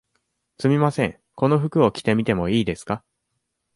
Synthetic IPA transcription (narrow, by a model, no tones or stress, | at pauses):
sɨmʲimasẽ̞ŋ | ko̞no̞ɸɯ̟kɯ̟o̞kʲi̥t̪e̞mʲit̪e̞mo̞iːd̪e̞sɨ̥ka